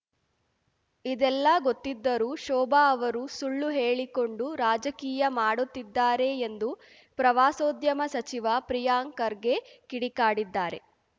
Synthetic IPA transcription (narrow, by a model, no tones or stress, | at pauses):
id̪ɛlːɐɡot̪ːid̪ːɐɾuːʃɔːbaːʋɐɾusuɭːuɦe̞ːɭiko̞ɳɖuɾaːd͡ʒɐkiːjɐmaːɽut̪ːid̪ːaːɾe̞ːnd̪u | pɾɐʋaːsoːd̪jɐmɐsɐt͡ʃiʋɐpɾijaːŋkɐɾɡe̞kiɽikaːɽid̪ːaːɾe̞̰